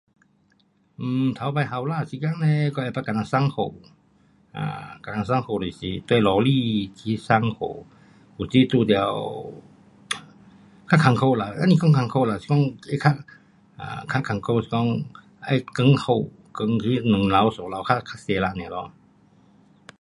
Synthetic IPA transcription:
ʔɯ˧t̪ʰa˧˦wpa˧jɦa˧˦wlaː˧˨si˧˦ka˧˥˨ŋnɛ˧kɔ˧ʔa˧˨˩pa˧ka˨na˧˨sa˧˨ŋkʰo˧˩w | ʔa̰ː˧ka˨na˧˨sa˧ŋkʰa˧˨di˨si˧˦t̪u˧˦lɔ˨˧liː˧˨tʰi˧˦sa˧˨ŋkʰo̰˧˩w | ku˧˨siː˧˦t̪uː˧˩di˧a˧˨w | kʰa˧˥˨kʰa˧˦ŋkʰa˧˨la˨˧˩ʔa˧ni˧kʰɔ˧˨ŋkʰa˧ŋkʰo˧wla˨˧˨si̥˧˦ɔ˧˥˨ŋa˧˨kʰa˧˥˨ | ʔa̰˧˨kʰa˧˥kʰa˨ŋkʰo˧˨si˧˦kɔ˧˨ŋ | ʔa˧˩jkɯ˧˥˨ŋkʰa˧˩w | kɤ˧˦ŋkʰi˧˦nɯ˨ŋla˧˨wsɔ˨˦la˧˨wkʰa˧˥˨kʰa˧˥˨se˧˨˦la˧˨nɛ˧˨lɔ˧˦

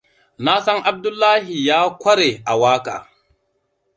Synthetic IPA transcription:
na˦sɐ˦ŋʔa˦b̚dʊ˦lːaː˦hi˨jaː˦kʷɐ˦ɽe˨ʔa˨waː˦ka̰ː˨

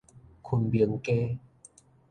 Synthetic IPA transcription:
kʰu˨˩nbi˨˦ŋkeː˦

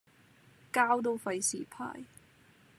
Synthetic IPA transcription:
kaː˥wt̪̬o˥˧wfɐ˧jsiː˨˩pʰa̰ː˨˩j

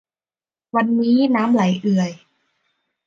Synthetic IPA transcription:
wa˧nːiː˦˥naː˦˥mla˩˦jʔɯ˨˩əj

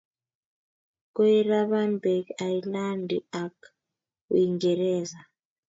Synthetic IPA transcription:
kɔ˦i˦ra˦βa˦nbʱɛ˨kajila˦ndʱḭa˨k | ṵi˨ŋɡɛ˨ɾɛː˦za˨

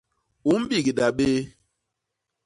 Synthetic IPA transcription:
u˨˦m̩˦ɓi˦˨ɡi˨da˨ɓe˦

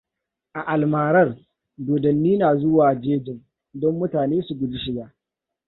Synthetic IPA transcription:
ʔa˨ʔa˨lmaː˨ɾɐ˦r | doː˨dɐ˨nːiː˦naː˨zʊ˦waː˨d͡ʒeː˦d͡ʒɪ˨ŋ | dɔ˦mːʊ˦taː˨neː˦su˨ɡʷʊ˨dʊ˦ʃɪ˦ɡaː˦

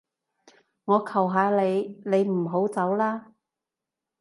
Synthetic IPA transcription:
ŋɔː˨˧kʰɐ˨˩wɦaː˨˧le˨˧jle˨˧jm̩˨˩ɦo˨˥wt͡sɐ˨˥wlaː˥

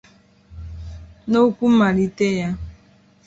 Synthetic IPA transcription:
no˦ku˦ma˨ɾi˦te˦ja˦

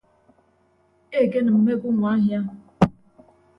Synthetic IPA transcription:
e˦˨ke˦na˨m̩˨me˦ɡʊ˦ŋʷ˨a˦ɦja˦

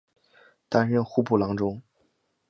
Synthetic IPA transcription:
t̪a˥nɻə˥˧nxu˥˧pu˥˩lɑ˧˥ŋʈ͡ʂʊ˥ŋ

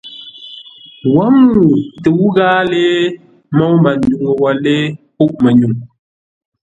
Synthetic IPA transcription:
wa˨˦mu˨te˨wu˦ɣaː˦leː˦ | mɔ˦ma˨n˨du˨ŋə˨wɔ˨le˦pu˦ʔmə˨ɲu˨ŋ

